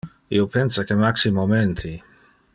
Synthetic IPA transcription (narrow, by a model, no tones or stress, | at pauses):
ḭopensakemaksimoment̪ʰi